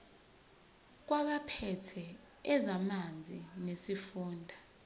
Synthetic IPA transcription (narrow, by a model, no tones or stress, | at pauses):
k̬waɓapʰɛtʰɛː | zamand͡zʱinesifuːndʱa